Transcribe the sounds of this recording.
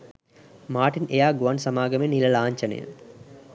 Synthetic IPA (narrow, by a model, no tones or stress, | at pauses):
maːʈinejaːɡuʋɐnsɐmaːɡɐmenilɐlaːɲt͡ʃɐnḛjə̰